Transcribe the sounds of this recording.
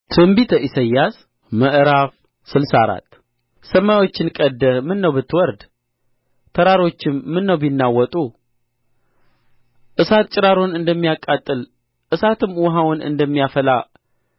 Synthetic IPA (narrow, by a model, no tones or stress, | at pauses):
t̪ʰɨmbit̪ʰəʔisəjːas | məʔɾaf | sɨlsaɾa̰t̪ | səmːajwo̞t͡ʃːɪnkʼəd̪ːəmɨnːəwbɨt̪ʰːɨwɔɾd̪ | t̪ʰəɾaɾo̞t͡ʃːɪmːɨnːəwbinːawːɔt̪ʼu | ʔɨsat̪̚t͡ʃʼɪɾaɾo̞nɨnd̪əmːijakʼːat̪ʼːɨl | ʔɨsat̪ʰɨmːwɔɦawʊnɨ̰nd̪əmːijafəla